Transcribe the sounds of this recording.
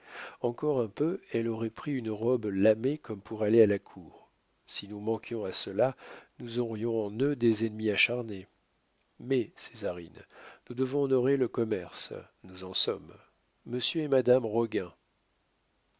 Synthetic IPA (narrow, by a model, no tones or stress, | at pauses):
ɑ̃kɔʁɛ̃pøɛlɔʁɛpχiynʁɔblamekɔmpʰuʁalealakʰuːʁ | sinumɑ̃kjɔ̃asəlanuzɔʁjɔ̃ɑ̃nød̪ezɛnmiaʃaʁne | mɛse̥zaʁḭnnud̪əvɔ̃ːnɔʁeləkɔmɛʁs | nuzɑ̃sɔmː | əsjøɛmad̪amʁɔɡɛ̃